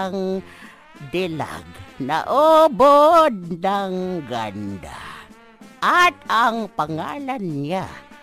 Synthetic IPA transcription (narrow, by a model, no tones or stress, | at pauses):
ŋ | d̪ɪla̰ɡna̰ʔobod̪̚naŋɡand̪a̰ | ʔat̪aŋpaŋaːlanːa